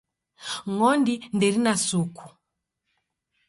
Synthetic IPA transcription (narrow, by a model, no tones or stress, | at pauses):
ŋɔndindɛɾinasukʰu̥